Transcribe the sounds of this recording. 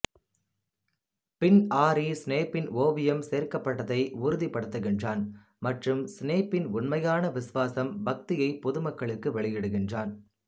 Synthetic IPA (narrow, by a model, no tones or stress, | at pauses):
pɪnaːɾisneːpːɪnoːʋɪjɐmseːrkɐpːɐʈːɐðɐɪʊɾʊðipːɐɽɯt̪ːɐɣɪndraːn | mɐʈrɯmsneːpːɪnʊnmɐjaːnɐʋɪsʋaːsɐmbɐk̚t̪ɪjɐɪpːɔðɯmɐkːɐɭɯkːɯʋɛɭɪjɪɽɯɣɪndraːn